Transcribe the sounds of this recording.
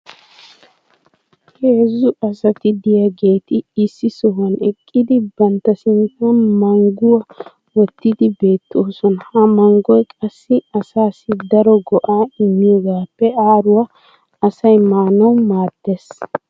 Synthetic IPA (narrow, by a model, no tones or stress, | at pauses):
heːzːʊʔɐsɐt̪ɪd̪ɪjɐɡe̞ːt̪ɪɪsːɪsɔɦɐnɛkʼːɪd̪ɪbɐnt̪ːɐsɪnt̪ːɐnmɐŋɡʊwɐ | wɔt̪ːɪd̪ɪbe̞ːt̪ːoːsɔnɐhɐmɐŋɡɔjkʼɐsːɪɐsaːsɪd̪ɐɾɔɡɔʔaːɪmːɪjɔɡaːpːɛaːɾʊwɐ | ɐsɐjmaːnɐwmaːd̪̥ːes